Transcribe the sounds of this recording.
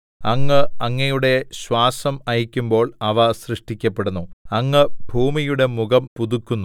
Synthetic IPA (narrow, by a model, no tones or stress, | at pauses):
ɐŋːɨɐŋːɐjuɽe̞ɕwaːsɐmɐjikʲːumbo̞ːɭɐʋɐsrɨʂʈikʲːɐpːe̞ɽunːuɐŋːɨbʱuːmijuɽe̞muɣɐmpuðukːunːu